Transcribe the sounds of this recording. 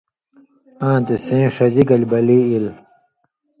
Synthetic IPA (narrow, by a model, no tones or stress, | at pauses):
ãːt̪esẽːʂɐd͡ʑiɡɐlʲbɐliːil